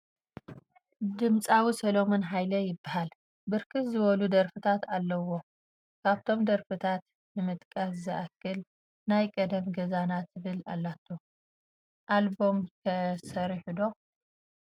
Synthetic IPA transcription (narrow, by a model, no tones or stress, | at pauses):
d̪ɨmt͡sʼawisɐlo̞monɦajlɐjɪbːahal | bɨɾkʰɨszɨβɐlud̪ɐɾfɨt̪ʰat̪alːɐwo̞ | kʰaβt̪ʰo̞md̪ɐɾfɨt̪ʰat̪ | nɨmɨt̪ʼkʼaszɨʔakːɨl | najkʼɐd̪ɐmɡɐzanat̪ɨβɨla̰lːat̪ʰːo | ʔalbo̞mkʰɐsɐɾħud̪o̞